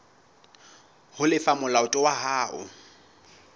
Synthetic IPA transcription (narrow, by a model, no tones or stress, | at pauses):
hʊlɪfamʊlaʊtʼɔwaɦaːʔʊ̰